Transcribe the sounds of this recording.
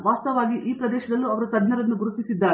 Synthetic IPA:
ʋaːst̪ɐʋaːɡiʔiːpɾɐd̪ɛːʃɐd̪ɐlːuɐʋɐɾɐt̪ɐd̪nɐɾɐnːuɡuɾut̪isid̪ːaːɾ

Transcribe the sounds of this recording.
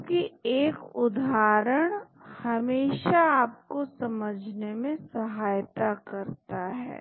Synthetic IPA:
kieːkʊd̪aːɾəɽ̃ | hɐmeːʃaaːp̚kosɐməd͡ʒʱnemẽsɐɦaːjt̪akɐɾt̪aɦɛ̰ː

